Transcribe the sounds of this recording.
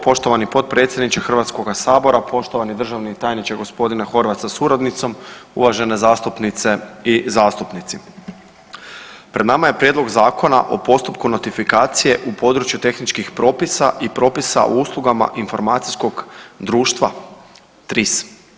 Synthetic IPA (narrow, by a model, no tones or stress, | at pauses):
po̞ʃt̪o̞ʋanipo̞t̪̚pɾet̪sʲjed̪nit͡ʃexr̩ʋat̪sko̞ɡasaːbo̞ɾapo̞ʃt̪o̞ʋanid̪r̩ʒaʋnit̪aːjnit͡ʃeɡo̞spo̞d̪inaxo̞ɾʋat̪sasuɾad̪nit̪so̞mṵʋaʒe̞ne̞zaːst̪upnit̪se̞izaːst̪upnit̪si | pɾe̞d̪namaje̞pɾje̞d̪lo̞ɡzaːkʰo̞na̰ʔo̞̰po̞st̪upkuno̞t̪ifikaːt̪sije̞ʔupo̞d̪ɾut͡ʃjut̪e̞xnit͡ʃkixpɾo̞ːpisaʔipɾo̞ːpisa̰ʔouːslˠuɡama̰ʔinfo̞ɾmaːt̪si̥skoɡd̪ɾuːʃt̪ʋa | t̪ɾis